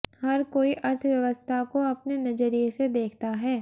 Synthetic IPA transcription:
hɐɾkoːiʔɐɾt̪ʰʋjɐʋəst̪ʰakoɐpnenɐd͡ʒəɾijesed̪eːkʰt̪aɦɛː

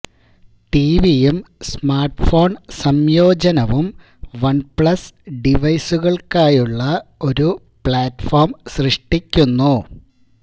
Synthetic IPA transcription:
ʈiːʋijemsmaːrʈfo̞ːɳsɐmjo̞ːd͡ʑɐnɐʋum | ʋɐɳpɭɐsɖiʋɐjsuɣɐɭkaːjuɭːɐo̞ɾu | pɭaːtfo̞ːrmsrɨʂʈikʲːunːu

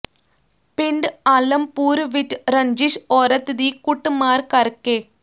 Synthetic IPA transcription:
piɳɖɐlɐmpuːɾʋiʈːɾɐɲd͡ʒiʂɔɾɐt̪ːid̪ikuʈːɨmaːɾkɐrkːeː

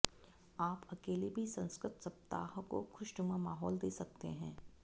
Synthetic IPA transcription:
aːpɐkeːlibʱisɐ̃nskɾɪt̪sɐp̚t̪a̰ːɦko̰kʰʊʃʈʊmamaːɦɔːld̪eːsɐk̚t̪eɦɛ̃ː

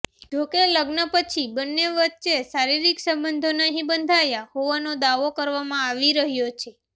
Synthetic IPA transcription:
d͡ʒokeləɡnəpət͡ʃʰibənːeʋətːʃesaɾiɾiksə̃mbənd̪ʱonaɦĩbənd̪ʱajahoʋanod̪aʋokəɾʋamãaʋiɾəɦjot͡ʃʰe

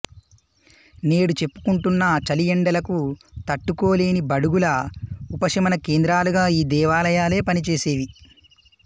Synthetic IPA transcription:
ne̞ːɽut͡ʃe̞pːu̥kuɳʈunːɐt͡ʃɐlijɛɳɖɐlɐkut̪ɐʈːuko̞ːleːnibɐɽuɡulɐupɐʂɐmɐnɐke̞ːnd̪ɾaːluɡaːiːd̪ɛːʋaːlɐjaːle̞ːpɐnit͡ʃe̞ːse̞ːʋi

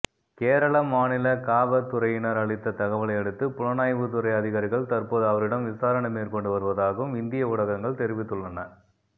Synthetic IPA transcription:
keːɾɐɭɐmaːnɪlɐkaːʋɐt̪ːʊɾɐjɪnɐɾɐɭɪt̪ːɐt̪ɐɣɐʋɐɭɐɪɛɽɯt̪ːɯpʊɻɐnaːjʋɯt̪̬ʊɾɐɪjɐðɪɣaːɾɪɣɐɭt̪ɐrpoːðɯɐʋɐɾɪɽɐmʋɪsaːɾɐɳɐmeːɾkɔɳɖɯʋɐɾɯʋɐðaːɣɯmɪnd̪ɪjɐʊɽɐɣɐŋɡɐɭt̪ɛɾɪʋɪt̪ːɯɭːɐnɐ

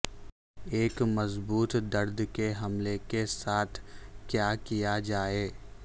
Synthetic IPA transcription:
eːkmɐzbuːt̪d̪ɐɾd̪keɦɐmlekesaːt̪ʰkjaːkijad͡ʒaːeː

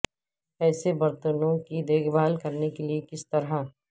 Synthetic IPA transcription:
ɛːsebɐɾt̪ənõkid̪eːɡʰbaːlkɐɾnekeliekɪst̪ɐɾɦa

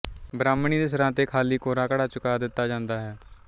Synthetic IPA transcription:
bɾaːmɳiːd̪eːs̬əɾãːt̪eːkʰaːliːkoːɾãːkəɽaːt͡ʃʊkaːd̪ɪt̪ːaːd͡ʒãːnd̪aːɦɛː

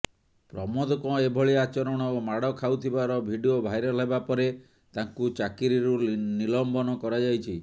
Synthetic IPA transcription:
pɾɔmɔd̪ɔkɔ̃ebʱɔɭiat͡ʃɔɾɔɽ̃ɔomaɽɔkʰawt̪ʰibaɾɔbʱiɖiobʱajɾelebapɔɾe | t̪aŋkut͡ʃakiɾiɾunilɔmbɔnɔkɔɾad͡ʒajt͡ʃʰi

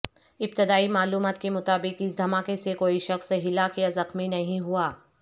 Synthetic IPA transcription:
ɪp̚t̪ɪd̪aːimaːluːmaːt̪kemʊt̪aːbɪkɪsd̪ʱɐmaːkesekoːiʃɐxsɦɪlaːkjazɐxminɐɦĩɦuaː

